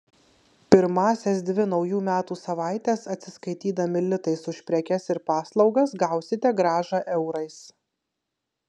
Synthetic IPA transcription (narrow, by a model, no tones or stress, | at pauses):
pʲɪɾmɑːsʲɛsd̪ʲʋʲɪnɒʊjuːmʲæːt̪uːsɐʋɑˑɪt̪ʲɛːsɐt̪ʲsʲɪskɐɪt̪ʲiːd̪ɐmʲɪlʲɪt̪ɐɪsʊʃʲpʲɾʲɛkʲɛsɪɾpɑːslˠɒʊɡɐsɡɑˑʊsʲɪt̪ʲɛɡɾɑːʒɑʔɛʊɾɐɪs